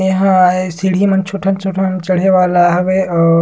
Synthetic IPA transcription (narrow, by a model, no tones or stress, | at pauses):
jɐɦãesiɽ̤imɐnt͡ʃʰʊʈʰɐnt͡ʃʰʊʈʰɐnt͡ʃɐɽ̤eʋaːlaːɦʋeɔː